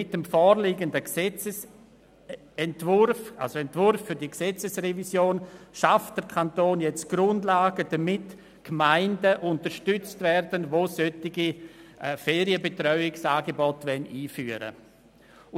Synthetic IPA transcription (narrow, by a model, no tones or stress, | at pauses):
ɪtəmfɔːɾliːɡəndəksɛt͡səs | ɛntvʊrfʔa̰lsoɛntv̥ʊɾfːʏɾdiksɛt͡səsrɛvisjoːnʃaft̚d̥əɾkʰantoːnjɛt͡stɡ̥ɾʊndlaːɡəd̥ɐmɪt | kmaɪndəʔʊntəɾʃtʏt͡stvɛrd̥ənvoːsœtɪɡi | fɛːɾiəbetrœʏɪksaːɡebɔtvɛniːfyːəɾə̰